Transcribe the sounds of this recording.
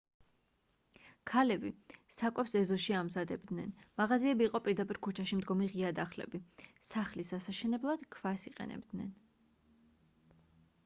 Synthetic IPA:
kʰalɛbisakʼwɛpsɛzɔʃiamzad̪ɛbd̪nɛnmaʁaziɛbiːqʼɔpʼiɾd̪apʼiɾkʰut͡ʃʰaʃimd̪ɡɔmiʁiad̪aχlɛ̰bisaχlisasaʃɛnɛblˠad̪̥kʰv̥asiqʼɛ̰nɛ̰bd̪nɛ̰n

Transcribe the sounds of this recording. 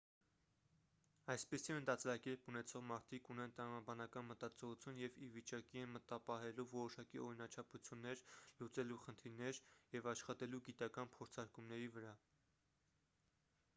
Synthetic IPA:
ɑjspisiənt̪ɑt͡sɾɑkɛɾpunɛt͡sʰɔʁmɑɾt̪ʰikunɛnt̪əɾɑmɑbɑnɑkɑnmət̪ɑt͡sʰɔʁut͡sʰjunjɛvivit͡ʃɑkiɛnmət̪ɑpɑɦɛluvɔɾɔʃɑkiɔɾinɑt͡ʃʰɑput͡sʰjunːɛɾlut͡sɛluχənt̪ʰiɾnɛɾjɛvɑʃχɑt̪ɛluɡit̪ɑkɑnpʰɔɾt͡sʰɑɾkumnɛɾivəɾɑ

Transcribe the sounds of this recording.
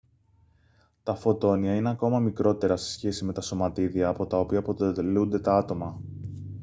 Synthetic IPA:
t̪ɐfo̞t̪o̞niɐine̞ɐko̞mɐmikɾo̞t̪e̞ɾɐse̞̥sçe̞sime̞t̪ɐso̞mɐt̪iðiɐːpo̞t̪ɐo̞piɐpo̞t̪elund̪e̞t̪ɐɐt̪o̞mɐ

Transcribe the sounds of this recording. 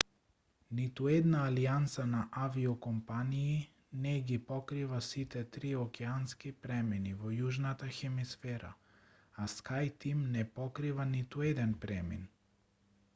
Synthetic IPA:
nit̪uɛd̪naːliant̪sanaʔaviɔkɔmpanii | nɛɡipɔkɾivasit̪ɛt̪ɾiɔkɛanskipɾɛminivɔjuʒnat̪axɛmisfɛɾa̰ | askajt̪imnɛpɔkɾivanit̪uɛd̪ɛnpɾɛmḭn

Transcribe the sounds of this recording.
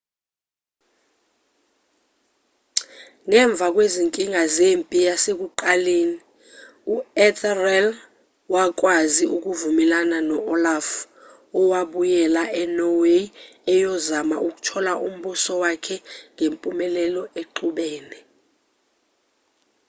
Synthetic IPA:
ŋɛɱb̪vʱak̬ʼweziŋkʼiŋazempʼijasek̬uǃaleːni | uɛtʰrɛl | wak̬ʼwaziʔuk̬ʼuvumɛlananɔɔlaf | ɔwaɓujɛlaʔɛnɔwe | ɛjɔzamaʔuk̬ʼu̥tʰɔlaʔum̩ɓusɔwakʰɛŋempʼumɛlɛlɔeǃuɓɛːnɛ

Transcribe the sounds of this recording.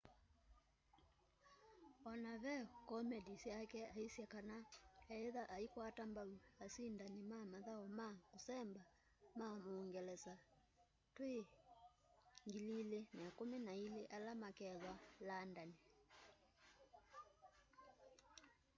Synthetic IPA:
ɔnaβɛkɔmɛdisjakɛaisjɛkanaɛɛðaʔaikwatambauasindanimamaðaɔmakusɛmba | mamuːŋɡɛlɛsa | twe | ŋɡililenaakuminailiʔalamakɛðwalandani

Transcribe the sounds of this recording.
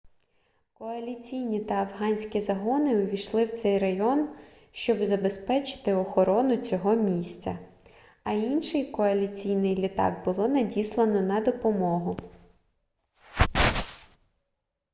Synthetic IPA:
kɔɐlʲit͡sʲijnʲit̪ɐːwɦɑnʲsʲkʲizɐɦɔnɪɔʋʲijʃlˠɪwt̪sɛjrɐjɔn | ʃt͡ʃɔbzɐbespɛt͡ʃɪ̥t̪ɪɔxɔɾɔnʊt͡sʲɔɦɔmʲisʲt͡sʲɐ | ɐinʃɪjkɔɐlʲit͡sʲijnɪjlʲit̪ɑ̰k̚bʊlˠɔnɐdʲislˠɐnɔnɐd̪ɔpɔmɔɦʊ

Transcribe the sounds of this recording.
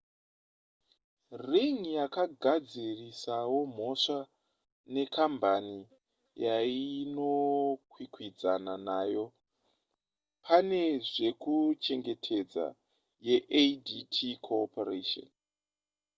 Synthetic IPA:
riŋjakaɡʱad͡zirisawo̞m̤o̞ʂa | ne̞kʰambani | jaino̞kwikwid͡za̰nanaːjo̞ | pʰane̞ʐe̞kut͡ʃe̞ŋɡe̞tʰe̞d͡za̰ | je̞ʔeditʰikʰoːpareʃo̰n

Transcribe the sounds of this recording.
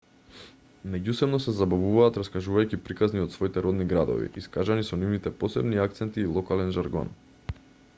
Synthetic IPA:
mɛɟusɛbnɔsɛzabavuvaːt̪ɾaskaʒuvajcipɾikazniɔt̪svɔit̪ɛɾɔd̪niɡɾad̪ɔ̰vḭiskaʒanisɔnivnit̪ɛpɔsɛbniak̚t̪sɛnt̪iːlˠɔkalɛnʒaɾɡɔ̰n

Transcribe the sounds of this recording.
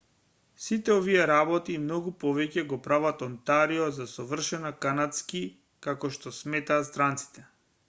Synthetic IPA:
sit̪ɛɔviɛɾabɔt̪imnɔɡupɔvɛcɛɡɔpɾavat̪ɔnt̪aɾiɔzasɔvr̩ʃɛnakanat̪ski | kakɔʃt̪ɔsmɛt̪aːt̪st̪ɾant̪si̥t̪ɛ

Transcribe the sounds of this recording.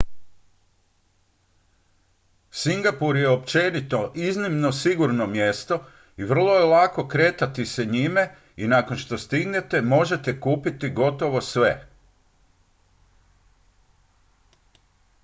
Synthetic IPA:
siŋɡapuɾjeopt͡ʃe̞nit̪o̞ʔiznimno̞siɡuɾnomje̞st̪o̞ | iʋr̩lˠo̞jelako̞kɾe̞ːt̪at̪iseɲime̞ | inako̞nʃt̪o̞st̪iɡne̞t̪e̞mo̞ʒe̞t̪e̞kuːpit̪iɡo̞t̪o̞ʋo̞sʋe

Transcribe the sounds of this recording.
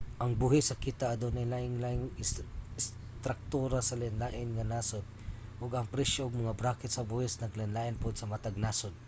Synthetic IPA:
ʔɐŋbuhɪsːɐkit̪aʔːd̪onajlaʔɪŋlaʔɪŋɪɪs | t̪ɾak̚t̪uɾasɐlanlaːʔɪnŋanaːsod̪̚ | ʔʊɡɐŋpɾɛsoʔʊɡ̚mɐŋabɾakɛt̪sɐbuhɪsnɐklɪnlaʔɪnpʊd̪sɐmat̪aɡ̚nasʊd̪̚

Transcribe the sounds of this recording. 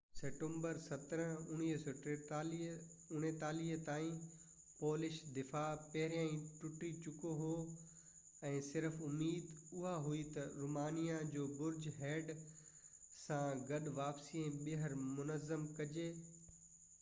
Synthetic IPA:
seːʈẽmbəɾsɐt̪əɾəɦʊɽ̃iːɦs | ʊñet̪aːliːɦt̪aːĩ | poːlɪʃd̪ɪfaːpɐɦɪɾijãːĩʈʊʈit͡ɕʊkoɦoː | ɛ̃ːsɪɾəfʊmiːd̪ʊɦaɦuit̪ɐɾuːmaːnijãd͡ʑoːbʊɾd͡ʑɦɛːɖ | sãɡɐɗʋaːpsiːẽɓeɦəɾmʊnəzəmkɐd͡ʑeː

